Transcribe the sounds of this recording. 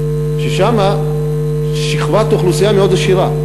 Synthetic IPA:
ʃeʃama | ʃiχvat̪oχlusijameod̪aʃiʁa

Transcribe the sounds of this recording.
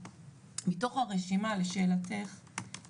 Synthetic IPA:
mito̞χhaʁeʃimaleʃeːlateχ

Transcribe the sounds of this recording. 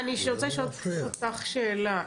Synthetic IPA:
aniʃʁot͡saʃootaχʃeːla

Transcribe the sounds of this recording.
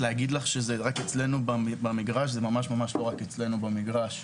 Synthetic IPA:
leaɡid̪laχʃezeʁaket͡sle̞nubabamiɡʁaʃ̬zemamaʃmamaʃlo̞ʁaket͡sle̞nubamiɡʁaʃ

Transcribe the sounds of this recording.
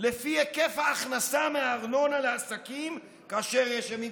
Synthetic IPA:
lefiekefhaːχnasameaːʁno̞nalaːsakim | kaːʃe̞ʁjeʃemi

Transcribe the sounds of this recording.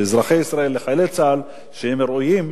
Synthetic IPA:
zɾaχejisɾae̞lːeχajlet͡sal | ʃehemɾujim

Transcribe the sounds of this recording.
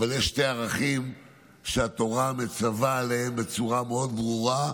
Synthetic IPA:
valjeʃte̞aʁaχim | ʃeat̪o̞ʁame̞t͡savaːleembe̞t͡suʁameo̞d̪bʁuʁa

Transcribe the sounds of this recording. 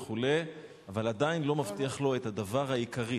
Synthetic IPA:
χule̞ | avalad̪ainlo̞mavt̪iaχlo̞et̪had̪avaʁhajikaʁi

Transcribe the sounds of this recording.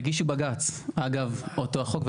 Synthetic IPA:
ɡiʃubaɡat͡saɡavotoaχo̞kve

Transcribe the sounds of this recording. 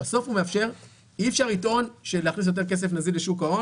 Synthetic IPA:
aso̞fume̞afʃe̞ʁ | iːfʃaʁito̞nʃeleaχnis̬jot̬e̞ke̞s̬e̞fnazileʃukao

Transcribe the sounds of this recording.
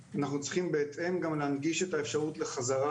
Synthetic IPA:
anaχnut͡sʁi̥χimbeːt̪ʔe̞mɡamleːnɡiʃe̞taefʃaʁut̪le̞χazaʁa

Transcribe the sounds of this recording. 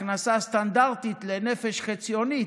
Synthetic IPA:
nasast̪and̪aʁt̪it̪lenɛfɛʃχɛt͡sʰioni

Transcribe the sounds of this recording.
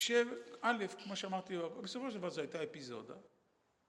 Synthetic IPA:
ʃevalefkmoʃeamaʁt̪iabesofoʃeldavaʁzoajt̪aepizo̞̰d̪a̰

